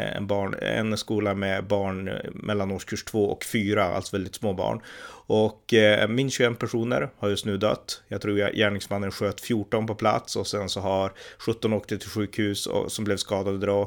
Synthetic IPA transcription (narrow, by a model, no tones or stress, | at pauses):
ɛ̰nbɑːɳɛ̰nskuːlamɛbɑːɳmʔɛ̰lːanoːʂkʰʉʂʈʰvoːɔ̰kfyːɾaa̰lt̪sɔvɛld̪ɪt̪smoːbɑ̰ːɳʔɔkmɪnːɕʉɵɛmpʰæʂuːnə̰ɾhaɾjɵst̪nʉ̟ːd̪œ̰t̪ːjɑːɡ̚t̪ʰɾṵːjæːɳɪŋsmanːənɧøːt̪fjuːʈɔnpɔpʰla̰t̪sɔsɛnsɔɦaɾɧɵt̪ːɔnoːkt̪ɪt̪ʰːɪlɧʉ̟ːkhʉ̟ːsɔ̰sɔmblɛvskɑːd̪ad̪ɔd̪ɾɑ